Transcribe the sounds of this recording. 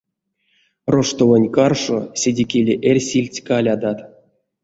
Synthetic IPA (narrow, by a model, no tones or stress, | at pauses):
roʂt̪ovanʲkarʂosʲedʲekʲelʲeʔerʲsʲilʲtʲkalʲad̪at̪